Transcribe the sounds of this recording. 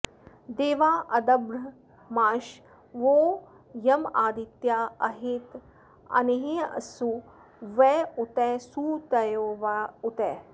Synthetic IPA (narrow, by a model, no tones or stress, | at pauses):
d̪eːʋaːʔɐd̪ɐbɾɐ | maːʃ | ʋoː | jɐmaːd̪it̪jaːɐɦit̪ | ɐ̰neɦeɐ̰su | ʋɛːut̪ɛːsuːt̪ɐjoːʋaut̪ɛː